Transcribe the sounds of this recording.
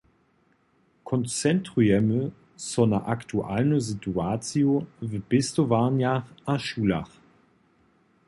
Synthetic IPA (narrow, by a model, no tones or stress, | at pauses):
kʰɔnt͡sɛntʁ̥uɛmə | sɔnaʔaktʰuʔa̰lnəzituaːt͡sjovəb̥ɪstovaʁnjaʁaʃuːla̰χ